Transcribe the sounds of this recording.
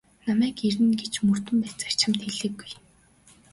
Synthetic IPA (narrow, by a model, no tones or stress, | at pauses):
namæːkeɾɘ̆nɡet͡ɕmɵr̥t̪ɵ̆mpæːt͡sḁr̥t͡ɕămt̪xeɮɘ̆ːɡːuj